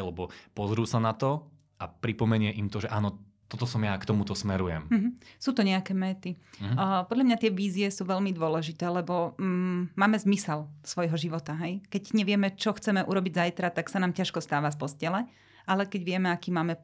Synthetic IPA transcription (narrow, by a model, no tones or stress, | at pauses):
lɛbɔpɔzɾuːsanat̪ɔ | ʔapɾipɔmɛɲɪɛʔimt̪ɔʒɛʔaːnɔ | t̪ɔt̪ɔsɔmjakt̪ɔmut̪ɔsmɛɾujɛ̰mm̩ɦ̩suːt̪ɔɲɛakɛːmɛt̪ipɔd̪ʎamɲat̪ɪɛʋiːziɛsuːʋɛʎmid̪ʊɔlɛʒit̪ɛːlɛbɔ | maːmɛzmisɛlsʋɔjɦɔʒiʋɔt̪aɦɛjkɛɟɲɛʋɪɛmɛt͡ʃɔxt͡sɛmɛʔuːɾɔbiɟzajt̪ɾat̪aksanaːmcaʃkɔst̪aːʋafpɔscɛlɛ | alɛkɛɟʋɪɛmɛakiːmaːmɛ